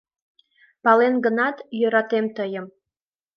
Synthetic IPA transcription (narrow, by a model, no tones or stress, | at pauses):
pɑlenɡə̆nɑt̪jøɾɑt̪emt̪əjəm